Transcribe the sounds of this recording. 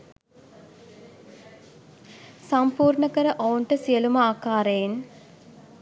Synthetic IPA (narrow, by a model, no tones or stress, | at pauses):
sampuːɾɳəkəɾəʔounʈəsijəlumɐaːkaːɾejen